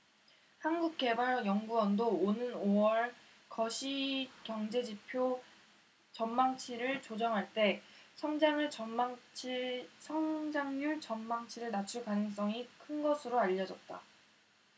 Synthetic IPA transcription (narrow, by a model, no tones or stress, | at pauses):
hanɡuk̚k͈e̞baɾjʌŋɡuʌndoːnɯnowʌɭ | kʌɕʰikjʌŋd͡ʑe̞d͡ʑipʰjo | t͡ɕʌnmaŋt͡ɕʰiɾɯɭt͡ɕod͡ʑʌŋɦaɭt͈e̞sʰʌŋd͡ʑaŋɯʌaŋt͡ɕʰisʰʌŋd͡ʑaŋjuɭt͡ɕʌnmaŋt͡ɕʰiɾɯɭnat͡ɕʰuɭkanɯŋs̬͈ʌŋikʰɯnɡʌsʰɯɾoaʎːʌd͡ʑʌt̚t͈a̰